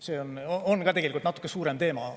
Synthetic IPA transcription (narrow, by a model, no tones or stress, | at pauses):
se̞ːonoonkɑːt̪eɡelikult̪nɑt̪ːˑu̥kːˑesuːɾe̞mt̪e̞ːmɑ